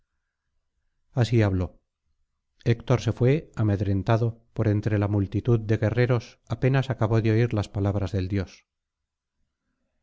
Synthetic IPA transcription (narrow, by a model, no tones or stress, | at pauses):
asiaβlo̞ | ekt̪o̞ɾse̞fwe̞ame̞ðɾe̞nt̪aðo̞po̞ɾe̞nt̪ɾe̞lamult̪it̪uðd̪e̞ɣe̞re̞ɾo̞s | ape̞nasakaβo̞ðeo̞iɾlaspalaβɾazðe̞ld̪jo̞s